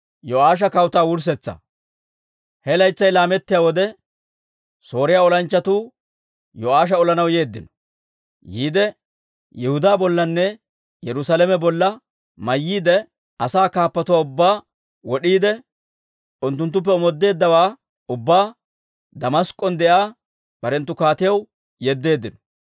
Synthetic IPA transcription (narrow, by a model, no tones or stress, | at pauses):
jɔʔaːʃ̬ɐkɐwt̪aːwʊɾs̬ɛt͡sːɐ̰ | hɛlɐjt͡sːɐjlaːmɛt̪ːɪjaːwɔd̪ɛ | so̞ːɾɪjaːɔlɐnt͡ʃːɐt̪uː | jɔaːʃ̬ɐɔlɐnɐwje̞ːd̪ːɪnɔ̥ | jiːd̪ɛ | jɛhʊd̪aːbɔlːɐnːɛ | jɛɾʊsaːlɛmɛbɔlːɐ | mɐjːiːd̪ɛ | ɐsaːkaːpːɐt̪ʊwaːʊbːaː | wɔɗiːd̪ɛ | ʊnt̪ːʊnt̪̬ːʊp̬ːɛɔmɔd̪ːe̞ːd̪ːɐwaː | ʊbːaː | d̪ɐmɐskʼːɔnd̪ɛʔaː | b̥ɐɾɛnt̪ːʊkaːt̪ɪjɐw | jɛd̪ːe̞ːd̪ːɪnɔ̥